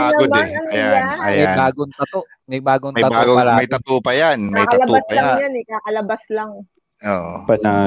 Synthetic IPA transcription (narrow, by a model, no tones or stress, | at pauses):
baːɡod̪ɛɐjanɐjmɐjabaːɡont̪ɐt̪oʔ | mɐjbaːɡonmɐj̪ɐtaːɡoɐlamɐjt̪ɐt̪uːpɐjanmɐjt̪ɐɐb̪upɐjajanɛkakɐlɐbaslaŋ | ʔoːʔpɐna